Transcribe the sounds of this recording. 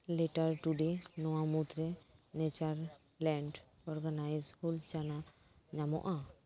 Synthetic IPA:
lɛʈaɾʈuɖenɔwamut̪ɾɛnɛt͡ʃaɾ | lɛɳɖ | ɔɾɡanajzhult͡ʃana | ɲamɔ̰ʔa

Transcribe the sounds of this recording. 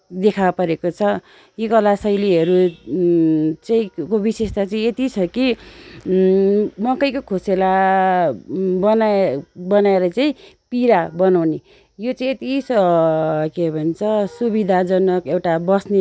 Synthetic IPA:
d̪ekʰapʌɾekot͡sʰʌ | jikʌlasʌjliɦʌɾu | t͡saĩkobisest̪at͡saĩet̪it͡sʰʌki | mʌkʌjkokʰosela | bʌnabʌnaeɾʌt͡saĩpiɾabʌnawne | jot͡saĩet̪isʌ | kebʱʌnt͡sʰʌsubid̪ʱad͡zʌnʌkewʈabʌsne

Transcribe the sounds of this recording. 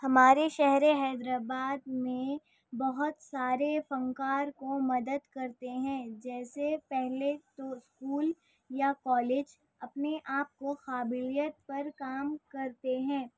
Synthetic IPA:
hɐmaːɾeʃɛɦɾeɦɛːd̪ɾaːbaːd̪mẽ | bɐɦʊt̪saːɾefɐ̃ŋkaːɾkomɐd̪əd̪kɐɾt̪eɦɛ̃d͡ʒɛːsepɛɦlet̪oskuːl | jakɔːleːd͡ʒ | ɐpneʔaːp̚koxaːbɪlijət̪̚pɐɾkaːmkɐɾt̪eɦɛ̃ː

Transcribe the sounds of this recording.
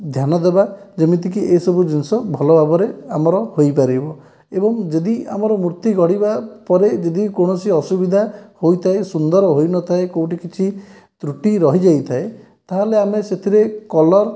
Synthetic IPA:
d̪ʱjanɔd̪ebad͡ʒemit̪ikiʔesɔbud͡ʒinsɔbʱɔlɔbabɔɾeamɔɾɔhojpaɾibɔ | ebɔŋd͡ʒed̪ia̰mɔɾɔmuɾt̪iɡɔɽibapɔɾed͡ʒed̪ikõɔsiɔsubid̪ʱahojt̪ʰaesund̪ɔɾɔɦojnɔt̪ʰaekowʈikit͡ʃʰi | t̪ɾuʈiɾɔɦid͡ʒajt̪ʰae | t̪aɦaleameset̪ʰiɾekɔlɔɾ

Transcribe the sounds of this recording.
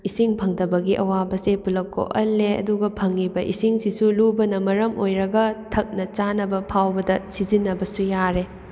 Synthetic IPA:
isiŋpʰɐŋdɐbɐɡiʔɐwabɐsepulɐkːo̰ʔɐlːeɐ̰duɡɐpʰɐŋːibɐʔḭsiŋsisulubɐnɐmɐɾɐmojɾɐɡɐtʰɐk̚nɐt͡ʃanɐbɐpʰawbɐdɐsizinːɐbɐsujaɾe

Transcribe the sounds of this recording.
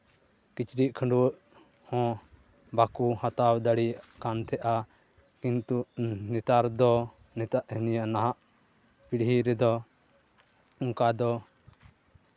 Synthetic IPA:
kit͡ʃɾiʔkʰəɳɖuwəʔ | hɔ̃ | bakuhat̪awd̪aɽijaʔkant̪ʰɛʔa | kint̪uʔnɛt̪aɾd̪ɔ | nɛt̪aʔhɛnijaʔnaɦaʔ | piɽɦiɾɛd̪ɔ | ũkad̪ɔ

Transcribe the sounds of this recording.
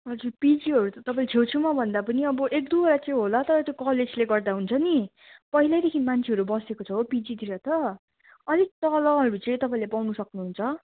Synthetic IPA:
ʌd͡zurpid͡ziɦʌɾut̪ʌt̪ʌpãĩlet͡sʰewt͡sʰumʌbʱʌnd̪apʌniʌbʌʔek̚d̪uoɾat͡saĩɦolʌt̪ʌɾʌt̪jõkʌled͡zleɡʌrd̪aɦunt͡sʰʌni | pʌɦilajd̪ekʰinmant͡sʰeʌɾubʌsekot͡sʰʌɦopid͡zit̪iɾʌt̪ʌ | ʌlik̚t̪ʌlʌɦʌɾut͡sʌĩt̪ʌpaĩlepawnusʌknuɦunt͡sʰʌ

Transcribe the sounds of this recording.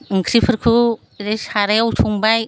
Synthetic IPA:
ŋkʰɾipʰɯɾkʰɯ | ɾesaɾewtʰuŋbaj

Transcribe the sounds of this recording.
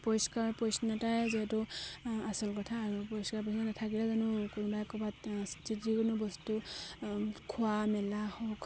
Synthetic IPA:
pɔjskaɹpɔjsnɔtajziɦɛtʊasɔlkɔtʰaːɹupɔiskaɹpɔsnanatʰakilɛzanʊkunbajkɔbatstitikʊnʊbɔstu | kʰʊwamɛlahɔk

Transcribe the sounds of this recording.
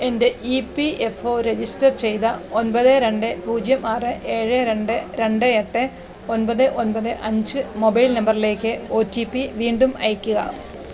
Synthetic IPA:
e̞nde̞ʔipːiefo̞ːɾe̞d͡ʑistɐrt͡ɕe̞jt̪ɐonpɐðɨɾe̞ɳɖɨpuːd͡ʑjɐmaːrɨʔe̞ːɻɨɾe̞ɳɖɨɾe̞ɳɖɨeʈːɨ | o̞npɐðɨʔo̞npɐðɨʔɐɲd͡ʑɨmobɐjlnɐmbɐrile̞ːkʲːɨo̞ːtːipːiʋiːɳɖumɐ̰jɐkʲːuɣɐ̰

